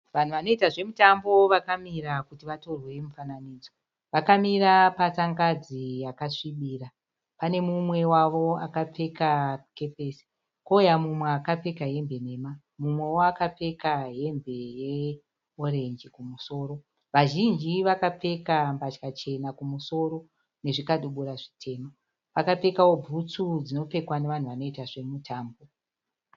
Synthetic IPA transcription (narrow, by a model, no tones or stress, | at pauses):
ʋan̤uʋano̞itaʐe̞mutambo̞ʋakamiɾakutiʋato̞rwe̞mufananiːd͡zo | ʋakamiɾapasaŋɡad͡zijakaʂiɓiːra | pane̞mumwe̞waʋo̞akap͡fe̞kake̞pe̞ːsi̥ | koujamumweakap͡fe̞kaɦe̞mbe̞ne̞ːma | mumwe̞woakap͡fe̞kaɦe̞mbe̞je̞ | oɾe̞nd͡ʒikumuso̞ːɾo̞ | ʋaʒind͡ʒiʋakap͡fe̞kambat͡ʃkat͡ʃe̞nakumuso̞ɾo̞ | ne̞ʐikaɗuɓuɾaʐitʰe̞ːmo | pakap͡fe̞kawo̞bʱut͡sud͡zino̞p͡fe̞kwane̞ʋan̤uʋano̞itaʐe̞mutʰaːmbo̞